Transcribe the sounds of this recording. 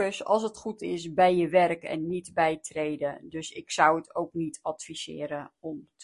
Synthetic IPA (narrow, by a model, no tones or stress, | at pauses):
əsɑ̰lˠs̬ətχutɪsbɛjəʋɛrkɛ̰nːitbɛjtrejdədøsɪksʌwətʰowknitʰɑtfisɪ̰ːɾəɔmt